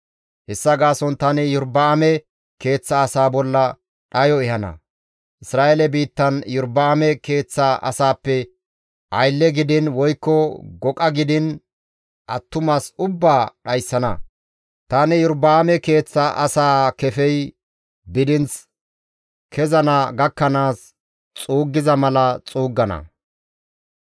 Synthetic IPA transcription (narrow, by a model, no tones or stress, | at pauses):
hɛsːɐɡaːsɔnt̪ɐnɪjʊɾbaːmɛ | ke̞ːt͡sːɐːsaːbɔlːɐ | ɗɐjɔɛhɐnɐ̰ | ʔɪsɾaːʔelɛbiːt̪ːɐnjʊɾbaːmɛke̞ːt͡sːaʔɐ̰saːpːɛ | ʔɐjlːɛɡɪd̪ɪnwɔjkːɔɡɔkʼɐɡɪd̪ɪn | ʔɐt̪ːʊmaːsʊbːaːɗɐjsːɐnɐ | t̪ɐnɪjʊɾbaːmɛke̞ːt͡sːaʔɐsaːkɛfɛj | bɪd̪ɪnt͡s | kʰɛzɐnaɡɐkːɐnaːs | t͡sʼuːɡːɪzɐmɐlɐt͡sʼuːɡːɐnɐ̰